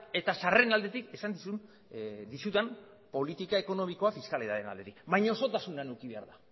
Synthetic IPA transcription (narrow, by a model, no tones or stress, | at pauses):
e̞t̪asare̞nald̪e̞t̪ike̞sand̪isu | d̪isut̪em | po̞lit̪ikae̞ko̞no̞miko̞afiskaliðaðena̰ld̪e̞t̪ikbajɲaoso̞t̪asunanukiβe̞aɾða